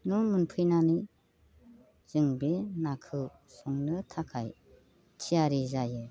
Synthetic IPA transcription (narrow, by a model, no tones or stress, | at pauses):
numɯnpʰɯjnani | z̥ɯŋbenakʰɯw | sɔŋnɯtʰakʰaj | tʰijaɾizajɯ